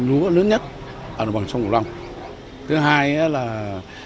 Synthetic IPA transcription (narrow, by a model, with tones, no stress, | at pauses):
lu˨˦ələː˨˦nɲə˦˥t̚ | ʔəː˧˩˨ɓaː˨˩sa˧ŋ͡mk̚ːla˧wŋ͡m | t̪ʰɨ˨˦ɦaː˧ja˨˦laː˨˩